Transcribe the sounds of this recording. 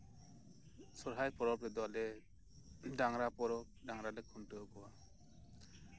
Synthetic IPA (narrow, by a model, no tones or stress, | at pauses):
sɔɾɦajpɔɾɔpɾɛd̪ɔwalɛ | ɖaŋɾapɔɾɔp̚ɖaŋɾalɛkʰunʈɯɔkɔwa